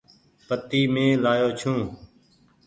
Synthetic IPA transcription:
pət̪iːmẽːlaːjoːt͡ʃʰũː

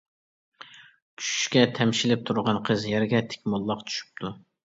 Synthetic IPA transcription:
kʲʰy̥ʃy̥ʃkʲɛt̪ʰɛmʃilɪp̚t̪ʰuɾʁɑnqʰəzjɛɾɡʲɛt̪ʰe̥kʲmɑlˠːɑqt͡ʃʰy̥ʃy̥p̚t̪ʰu

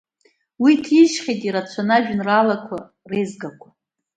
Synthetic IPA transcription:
witʰiʒχʲejtʼiɾat͡ɕʷʰanaʒᶣnralakʷʰa̰ | rejzɡakʷʰa

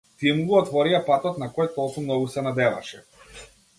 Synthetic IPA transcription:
t̪imɡuɔt̪vɔɾijapat̪ɔt̪̚nakɔjt̪ɔlˠkumnɔɡusɛnad̪ɛva̰ʃɛ

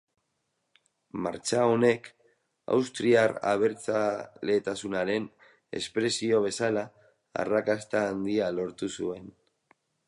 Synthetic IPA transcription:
ma̰ɾt͡ʃao̞ne̞k | a̰wst̪ɾiara̰β̞e̞ɾt͡sale̞t̪asunaɾe̞n | e̞̰spɾe̞sio̞β̞e̞sala | a̰rakast̪aːnd̪ialo̞ɾt̪usue̞n

